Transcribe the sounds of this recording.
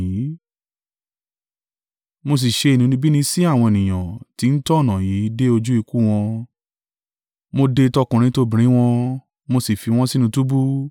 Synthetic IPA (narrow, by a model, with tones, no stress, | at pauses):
i˨˦ | mo˧s̬i˨ʃe˧e˨nĩ˨˦nĩ˧bi˦nĩ˧si˦a˦˨w̃ɔ̃˧e˨nĩ˨j̃ã̰˨ti˨˦n̩˦tɔ˦˨nã˨ji˨˦de˦o˧d͡ʒu˦i˧ku˦˨w̃ɔ̃˧ | mo˧de˧tɔ˦kũ˧˨ɾ̃ĩ˧˦to˧bĩ˨ɾ̃ĩ˨˦w̃ɔ̃˧ | mo˧si˨fi˧w̃ɔ̃˦si˦nũ˧tu˦bu˦